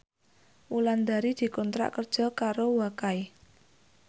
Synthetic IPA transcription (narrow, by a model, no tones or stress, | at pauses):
ʔuland̪aɾid̪̥i̤kɔnt̪ɾa̰ʔkərd̥ʒ̥ɔ̤kaɾowakai